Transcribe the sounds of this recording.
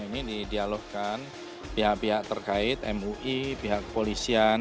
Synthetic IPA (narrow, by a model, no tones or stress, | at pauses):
inididialohkan | piɦaʔpiɦaʔ̚t̪ərkaɪt̪̚ɛ̰muʔipiɦaʔkəpolisian